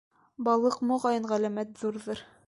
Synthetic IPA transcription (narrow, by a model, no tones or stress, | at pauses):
bɑlˠɤqmoʁɑjɤɴʁælæmæt̪ðuɾðɤɾ